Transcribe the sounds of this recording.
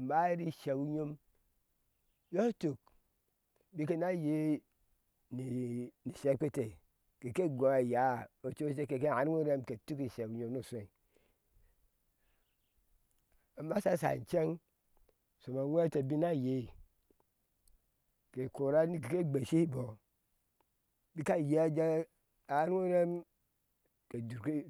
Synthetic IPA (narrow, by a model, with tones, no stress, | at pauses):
mba˦i˦ɾi˦ʃe˨wu˦ɲo˦m | jo˦to˨k̚ | bi˦ke˦na˦je˦ | ni˨ni˨se˦k͡pe˦te˨ | ke˨ke˦ɡʷo˨a˨ja˨˦o˨t͡ʃe˦s̬e˦ke˨ke˦˨a˨ɾŋʷo˦ɾe˦mke˨tu˦ki˨ʃe˨wu˨ɲo˦mno˦˨se˨i˨ | a˨ma˦sa˦˨sa̰˨n˨t͡ʃe˦ŋ | so˨ma˨wʷe˦te˨bi˦na˦˨je˦˨ | ke˨ko˨ɾa˦ni˦ki˨ke˦ɡ͡be˨ʃi˦bo˨ | bi˦ka˦˨je˨˦a˦d͡ʒa˦ | a˨˦ɾo˦ɾe˦m | ke˨du˨ɾk